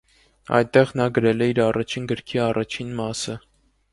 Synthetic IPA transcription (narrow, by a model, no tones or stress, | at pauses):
ɑ̰jt̪ɛʁnɑɡəɾɛlɛiɾɑrɑt͡ʃʰinɡəɾkʰiɑrɑt͡ʃʰinmɑsə